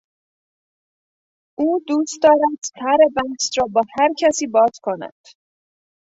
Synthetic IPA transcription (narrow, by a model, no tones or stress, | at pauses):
ʔuːd̪uːst̪̚d̪ɒːɾæd̪̥sʰæɾebænsɾɒːbɒːhæɾcʰæsiːbɒːz̥kʰo̞næ̰d̪̥